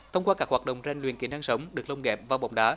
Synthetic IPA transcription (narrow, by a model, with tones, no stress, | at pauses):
t̪ʰə˧wŋ͡mkwaː˧kaː˦˥k̚hwaː˨˩t̚ɗə̰˧˨wŋ͡mza˧jŋ̟lwḭ˨˩ənkḭ˨˦na˧ŋsə˨˦wŋ͡mɗɨ˨˩ək̚lə˧wŋ͡mɣɛ˨˩p̚vaː˨˩wɓa̰˧˨wŋ͡mɗaː˨˦